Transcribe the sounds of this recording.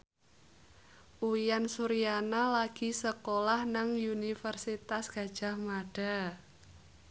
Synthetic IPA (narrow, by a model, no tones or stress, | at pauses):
ʔuijansuɾijanalaɡ̥i̤səkolahnaŋunifərsit̪asɡ̥a̤d̥ʒ̥a̤hmaɖ̥a̤